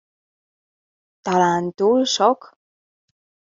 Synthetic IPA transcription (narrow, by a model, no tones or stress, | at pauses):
t̪alant̪ulsok